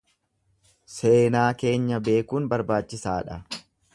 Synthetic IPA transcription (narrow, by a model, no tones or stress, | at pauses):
se̞ːnaːke̞ːɲːɐbe̞ːkuːnbɐɾbaːt͡ʃːɪsaːᶑɐ